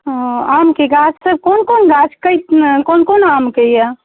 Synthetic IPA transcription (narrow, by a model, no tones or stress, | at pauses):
amkeɡat͡ʃsəb̚koːnkonɡat͡ʃkəjt̪konkonamkeja